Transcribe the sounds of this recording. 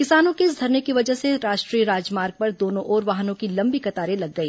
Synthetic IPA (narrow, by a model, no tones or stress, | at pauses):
kɪsaːnõkeɪs̬d̪ʱɐɾnekiʋɐd͡ʒəɦseɾaːʃʈɾiːɾaːd͡ʒmaːɾɡ̚pɐɾd̪oːnõʔɔːɾʋaːɦnõkilɐ̃mbikɐt̪aːɾelɐɡːɐiː